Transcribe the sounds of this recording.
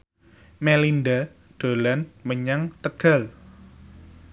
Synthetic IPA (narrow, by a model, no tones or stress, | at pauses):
melind̪a | ɖ̪̥o̤lanməɲaŋt̪əɡ̥a̤l